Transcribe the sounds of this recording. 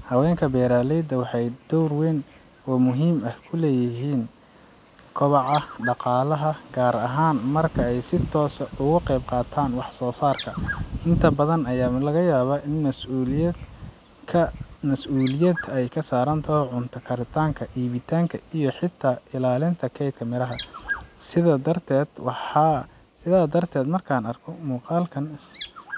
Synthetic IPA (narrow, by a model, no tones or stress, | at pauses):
hɐwɛːŋkʰɐbɛːɾaːlɛjd̪ɐwɑħɑjd̪̥ɔwrwɛːn | ɔːmʊɦiːmɐhkʰʊlɛːjɪɦiːn | kʰɔβɑʕɑɖɑqɑːlɐɦɐɡ̥aːɾɐɦaːnmɐrkʰɐɛjsɪt̪ʰɔːsʊɣʊqɛjb̚qɑːt̪ʰaːnwɑħsɔːsaːrkʰɐɪnt̪ʰɐbɐðɐnɐjaːlɐɣɐjaːβaːʔɪnmɐs | kʰɐmɐsuːlɪjɐd̪ʰɛjkʰɐsaːɾɐnt̪ʰɔhɔʕʊnt̪ʰɐkʰɐɾɪt̪ʰaːŋkʰɐʔiːβɪt̪ʰaːŋkʰɐʔijɞħɪt̪ʰːaːɪlaːlɪnt̪ʰɐkʰɛjd̪kʰɐmɪɾɐɦɐsɪðɐd̪ɐrt̪ʰɛːd̪wħɑ | sɪðaːd̪ɐrt̪ʰɛːd̪mɐrkʰaːnɐrkʰɔmuːqɑːlkʰɐns